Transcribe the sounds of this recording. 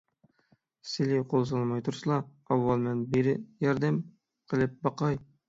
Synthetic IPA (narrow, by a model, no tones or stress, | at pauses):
sɪliqʰolˠs̬ɑlˠmɑjt̪ʰuɾsɨlˠɑ | ɑwːɑlˠmɛnbeɾɪjɑɾd̪ɛm | qʰəlˠɪp̚bɑqɑj